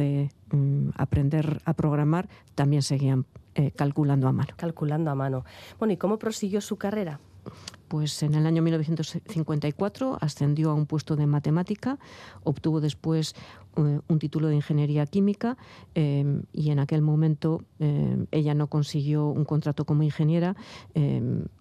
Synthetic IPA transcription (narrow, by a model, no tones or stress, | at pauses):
e | a̰pɾend̪e̞ɾapɾo̞ɣ̞ɾamaɾt̪ambje̞nse̞ɣ̞iamekalkuland̪oamanokalkuland̪oamãnobwe̞noiko̞mo̞pɾosiɣjo̞sukare̞ɾa | pwe̞se̞ne̞laɲomilno̞θjent̪sθiŋkwe̞nt̪aikwat̪ɾo̞a̰sθe̞nd̪jo̞aumpwe̞st̪o̞ðe̞mat̪e̞mat̪ikao̞pt̪uβo̞ðe̞spwe̞s | unt̪it̪ulo̞ðeiŋxe̞nje̞ɾiakimikaeḭe̞nake̞lmõ̞mẽ̞nt̪o̞ee̞ʎano̞ko̞nsiɣ̞jo̞ṵŋko̞nt̪ɾat̪oko̞moiŋxe̞nje̞ɾaḛ